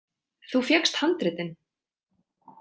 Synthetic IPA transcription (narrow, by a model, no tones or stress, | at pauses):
θufjɛkst̪hant̪ɾɪt̪ɪn